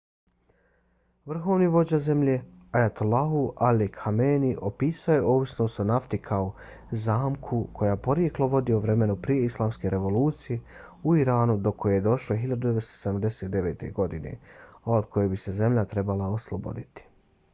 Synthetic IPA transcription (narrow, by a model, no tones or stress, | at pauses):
ʋr̩xo̞ːʋniʋo̞d͡ʑaze̞mʎeajat̪olaɦuʔalikxameːniʔopiːsaojeoːʋisnoːst̪onaft̪ikʰao | zaːmkʰukʰo̞jaːpo̞ɾje̞klo̞ʋo̞d̪ioʋɾeme̞nupɾije̞islˠaːmske̞ɾʔe̞ʋo̞luːt̪sije | uiɾaːnud̪o̞kʰo̞jejed̪o̞ʃloɦiʎad̪ud̪eʋest̪o̥sed̪amd̪e̞seːt̪̚d̪e̞ʋḛːt̪e̞̰ɡo̞d̪inḛaod̪̚kʰo̞jebise̞ze̞mʎat̪ɾe̞balaoslˠobo̰d̪it̪i̥